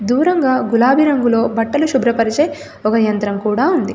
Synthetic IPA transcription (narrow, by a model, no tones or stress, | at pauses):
d̪uːɾɐŋɡaːɡulaːbʱiɾɐŋɡulo̞ːbɐʈːɐluʃubɾɐpɐɾit͡ʃeːj | ɔkɐjɐnt̪ɾɐmkuːɽaːund̪i